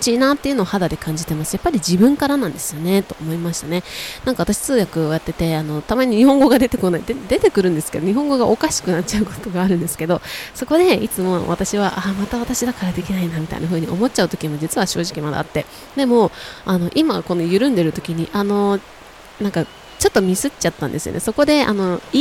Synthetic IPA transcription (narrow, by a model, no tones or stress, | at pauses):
t͡ɕinãt̪ːe̞iɯ̟no̞ːhad̪ad̪e̞kʰãɲ̟d͡ʑit̪e̞masɨ̥japːaɾʲid͡ʑibɯ̟̃ŋkaɾanãnd̪e̞sɨ̥jo̞ne̞t̪o̞ːmo̞imaɕi̥t̪ane̞nãŋkaβat̪aɕi̥t͡sɨːɡakɯ̟ojat̪ːe̞t̪e̞ano̞t̪amaɲ̟iɲ̟ihõ̞ŋɡo̞ɡad̪e̞t̪e̞ko̞naid̪ed̪e̞t̪e̞kɯ̟ɾɯ̟̃nd̪e̞sɨ̥ke̞d̪o̞ɲiɦõ̞ŋɡo̞ɡaʔo̞kaɕi̥kɯ̟nat͡ɕt͡ɕaɯ̟ko̞̥t̪o̞ɡaːɾɯ̟̃nd̪esɨ̥ke̞d̪o̞so̞ko̞d̪e̞it͡sɨmo̞βat̪aɕiβaʔamat̪aβat̪aɕid̪akaɾad̪e̞kʲinainamʲit̪a̰ḭnaɦɯ̟ːɲ̟iʔo̞mo̞t͡ɕt͡ɕaɯ̟t̪o̞kʲiɲimo̞d͡ʑit͡sɨβaɕo̞ːʑikʲimad̪a̰at̪ːe̞ | d̪e̞mo̞ano̞ʔimako̞nojɯ̟ɾɯ̟̃nd̪e̞ɾɯ̟t̪o̞̥kʲiɲ̟iʔano̞ | nãŋka | t͡ɕo̞t̪ːo̞mʲisɨt͡ɕat̪ːã̰nd̪e̞sɨjo̰ne̞so̞ko̞d̪e̞a̰no̞i